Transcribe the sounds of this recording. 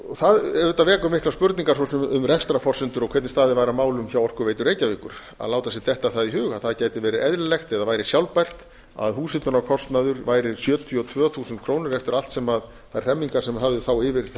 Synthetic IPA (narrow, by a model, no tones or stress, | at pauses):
ɔθaðɛɾvʏt̪avɛːkʏmɪhklaspʏɾt̪niŋkaɾsɔsʏmʏmrɛxst̪ɾafɔr̥sɪnt̪ʏɾɔkʰvɛt̪nɪst̪aːðɪvaːjɾamaːwlʏmçawɔr̥kʏɾveːjt̪ʏɾeːjcavɪkʏɾ̥ | a̰ðlaːwt̪asjɛt̪ɛht̪aθaðiɦʏːɣaðθaðcaːjt̪ɪvɛːɾɪɛðɾɪlɛxt̪ɛðavaːjɾɪsjawlpajr̥t̪ | a̰ðɦuːsɪnt̪ʏnakʰɔst̪naðʏɾvaːjɾɪ̥sjœːt̪ʰiɔt̪ʰvœːθusnt̪̚kʰɾoːwnɪɾɛft̪ʏɾal̥t̪sɛmað | θajr̥ɛmːiŋkasɛmɦavðʏθawɪvɪɾ